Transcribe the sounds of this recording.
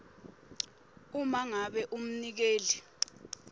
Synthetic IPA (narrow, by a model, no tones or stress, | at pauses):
umaŋaɓɛʔum̩nik̬eːli